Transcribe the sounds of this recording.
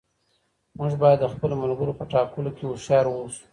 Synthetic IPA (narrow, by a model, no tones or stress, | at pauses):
muʐbɑjad̪ːəxpəlomalɡəɾopəʈɑkəlokewoʃɑɾwosu̥